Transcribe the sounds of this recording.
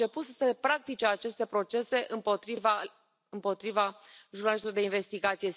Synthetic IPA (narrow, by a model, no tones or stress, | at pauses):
t͡ʃe̞put̪səsepɾak̚t̪it͡ʃeat͡ʃe̞st̪e̞pɾo̞t͡ʃe̞se̞ʔɨmpoiva | ɨmpo̞t̪ɾivaʒurnalist̪lord̪einve̞st̪iɡat̪sije̞